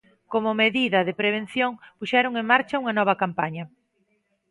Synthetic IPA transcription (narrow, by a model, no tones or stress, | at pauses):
komʊmeðiðɐðɪpɾeβ̞en̟θjoŋpuʃɛɾoŋeŋmaɾt͡ʃɐuŋɐnɔβɐkampaɲɐ